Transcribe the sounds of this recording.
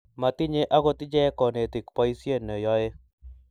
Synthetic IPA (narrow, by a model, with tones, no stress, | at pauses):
ma˨t̪ɪ˦ɲe˦ʔa˦ɡo˦t̪ɪ˦d͡ʒɛ˦kɔ˨ne˨t̪ɪ˨kpa˦i˦sje˦˨nːɛ˨jɔ˦e˦